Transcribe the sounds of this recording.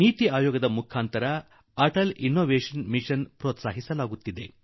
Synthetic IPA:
niːt̪iaːjoːɡɐd̪ɐmukʰaːnt̪ɐɾɐ | ɐʈɐlinːoːʋeːʂɐnmiʂɐnpɾɔːt̪saːɦisɐlaːɡut̪ːid̪e̞

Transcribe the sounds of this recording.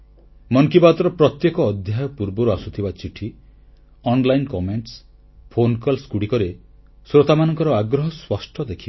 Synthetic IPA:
mɔŋkibat̪ɔɾɔpɾɔt̪jekɔːd̪ʱjajɔpuɾbɔɾuasut̪ʰibat͡ʃiʈʰi | ɔnlajnkɔmeɳʈs | pʰonkɔlskuɽikɔɾe | sɾot̪amanɔŋkɔɾɔaɡɾɔɦɔswɔsʈʰɔd̪ekʰib

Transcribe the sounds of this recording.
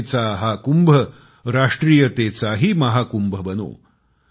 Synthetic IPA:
t͡saɦakumbʱə | ɾaʂʈɾiːjət̪et͡saɦiːmɐɦakumbʱəbəno̰ː

